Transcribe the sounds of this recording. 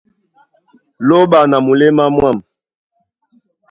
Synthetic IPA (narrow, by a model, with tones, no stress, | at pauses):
lo˦ɓa˨na˨mu˨le˦ma˦mwa˦˨m